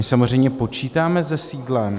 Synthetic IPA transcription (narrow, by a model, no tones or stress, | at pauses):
ɪsamorɛjmɲɛpo̞t͡ʃiːt̪aːmɛzɛsiːdlɛm